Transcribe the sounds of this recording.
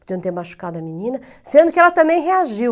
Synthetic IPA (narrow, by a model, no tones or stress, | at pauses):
pɾd̪ĩɐ̃ñt̪ẽɾmaʃu̥kad̪ɐminĩnɐ | sẽnd̪ukɛlɐt̪ɐ̃mẽj̃ʁeaʒiw